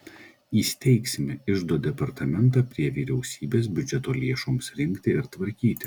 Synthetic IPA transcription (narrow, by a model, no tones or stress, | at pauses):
iːsʲt̪ʲɛɪksʲɪmʲɪɪʒd̪oːd̪ʲɛpɐɾt̪ɐmʲɛnˑt̪ɑːpʲɾʲiɛʋʲiːɾʲɛʊsʲiːbʲeːs̬bʲʊd͡ʒʲɛt̪oːlʲeɛʃomsɾʲɪŋʲkʲt̪ʲɪɪɾt̪ʋɐɾʲkʲiːt̪ʲɪ